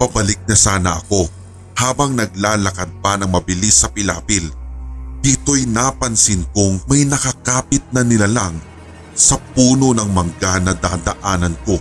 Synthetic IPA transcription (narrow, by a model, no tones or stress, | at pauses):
pɐbɐlɪk̚nɐsaːnɐʔɐko̞ | haːbɐŋnɐɡ̚laːlɐkɐd̪̚pɐnɐŋmɐbɪlisːɐpɪla̰ːpɪl | d̪̥it̪o̞jnaːpɐnsɪnkoŋmɐjnɐkɐkaːpɪt̪̚nɐnɪlalɐŋ | sɐpuːno̞nɐŋmɐŋɡanɐd̪aːd̪ɐʔaːnɐnko̞